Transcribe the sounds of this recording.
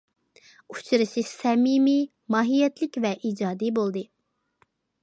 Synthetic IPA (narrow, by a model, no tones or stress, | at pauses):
u̥t͡ʃʰɨɾɨʃɨʃsɛmimi | mɑːɦijɛt̪lɪkʲvɛʔiːd͡ʒɑːd̪ibolˠd̪ɨ